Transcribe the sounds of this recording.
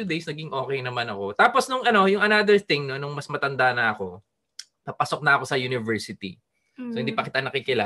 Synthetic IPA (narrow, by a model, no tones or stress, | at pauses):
uːd̪ejsnɐɡɪŋʔo̞ːkɛjnɐmanɐko̞t̪aːposnʊŋɐno̞jʊŋɐnad̪ɛɹθɪŋnonʊŋmɐsmɐt̪ɐnd̪anɐɐko̞ | papasok̚nɐɐko̞sɐjunɪvɛɹsɪt̪ḭ | sohɪnd̪ipɐkɪt̪anɐkɪkɪla